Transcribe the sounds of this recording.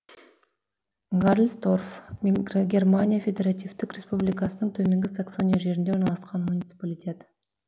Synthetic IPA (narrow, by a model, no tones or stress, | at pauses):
ɡarlʲˠst̪o̞rf | ɡʲe̞rmanʲijafʲed̪ʲe̞ɾat̪ijvt̪ɪkrʲe̞spublijkɑsənəɴt̪ʰɵme̞ŋɡʲɪsakso̞nʲijaʒe̞ɾɪnd̪eonɑlˠɑsqɑnmunʲit̪sɨ̥palʲitʲe̞t̪